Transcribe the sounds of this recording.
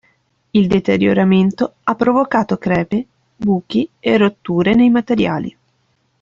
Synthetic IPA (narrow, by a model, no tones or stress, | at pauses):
ild̪et̪eɾjo̰ɾament̪oapːɾovokaːt̪okɾɛːpe | buːk̟ierːot̪ːuːɾenejmat̪eɾja̰ːlḭ